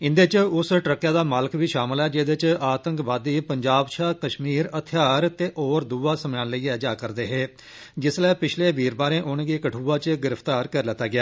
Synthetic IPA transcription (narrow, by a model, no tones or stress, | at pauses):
ɪ̃nd̪eːt͡ʃʊsʈɾəkːjãːd̪aːmaːləkʋiːʃaːməlɛːd͡ʒeːd̪eːt͡ʃaːt̪ə̃ŋkʋaːd̪iːpəɲd͡ʒaːbʃaːkəʃmiːɾət̪ʰɪjaːɾt̪eːʔoːɾd̪uːaːsəmjãːnləiːɛːd͡ʒaːkəɾd̪eːɦeː | d͡ʒɪslɛːpɪt͡ʃʰleːbiːɾbaːɾẽːʔʊnɡiːkəʈʰuːaːt͡ʃɡɪɾəpʰt̪aːɾkəɾlət̪ːaːɡɪjaː